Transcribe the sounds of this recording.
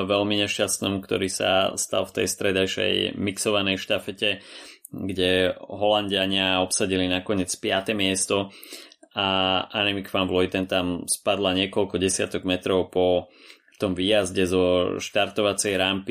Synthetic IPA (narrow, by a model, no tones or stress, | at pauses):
ʋɛlmiɲɛʃcast̪nɔmkt̪ɔ̰ɾiːsa̰st̪a̰lˠft̪ɛ̰jst̪ɾɛd̪ajʃɛ̰jmiksɔʋanɛjʃt̪afɛcɛ | ɡɟɛɦɔlanɟɪaɲɪaɔpsaɟilinakɔɲɪɛt͡spɪat̪ɛmɪɛst̪ɔ | aʔanimikfanʋlɔjt̪ɛnt̪amspad̪laɲɪɛkɔlkɔɟɛsɪa̰t̪ɔɡmɛt̪ɾɔʊpɔ | t̪ɔmʋiːjazɟɛzɔʃt̪aɾt̪ɔʋat͡sɛjɾampi